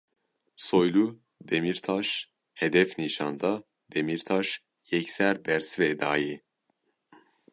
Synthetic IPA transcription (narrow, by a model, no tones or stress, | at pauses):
sojlu | d̪ɛmiɾt̪ʰɑʃ | hɛd̪ɛfniʃɑnd̪ɑ | d̪̥ɛmiɾt̪ʰɑʃ | jɛcsæɾbɛɾsvɛd̪ɑːji